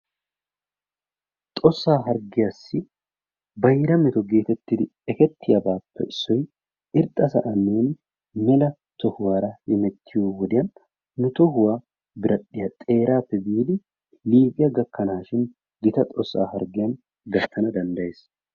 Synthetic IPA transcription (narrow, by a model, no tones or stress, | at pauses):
t̪ʼɔsːaːɦɐɾɡɪjasːɪ | bɐjɾɐmɪt̪ɔɡe̞ːt̪ɛt̪ːɪd̪ɪ | ɛkɛt̪ʰːɪjɐbaːpːɛ̰ʔɪsːɔj | ɪɾt̪ʼːɐsɐ̰ʔɐnːeːn | mɛlɐ | t̪ɔhʊwaːɾɐhɪmɛt̪ʰːɪjowɔd̪ɪjɐnː | ʊt̪ɔhʊwaː | bɪɾɐɗːɪjɐt̪ʼe̞ːɾaːt̪ːɛbiːd̪ɪ | liːbɪjɐɡɐkːɐnaːʃɪn | ɡɪt̪ɐt̪ʼɔsːa̰ːhɐɾɡɪjɐn | ɡɐt̪ʰːɐnɐd̪ɐnd̪ɐjeːs